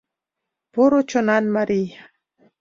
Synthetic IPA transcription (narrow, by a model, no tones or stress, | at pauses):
poɾot͡ʃonanmaɾi